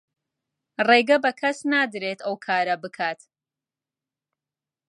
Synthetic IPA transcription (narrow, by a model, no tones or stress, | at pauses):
reɡɐbɐkʰɐsnaːd̪ɾeːt̪ɐwkʰaːɾɐbɨkʰaːt̪